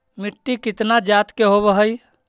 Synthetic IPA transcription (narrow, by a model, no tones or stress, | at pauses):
miʈːikit̪nad͡ʒat̪keɦoβəɦəj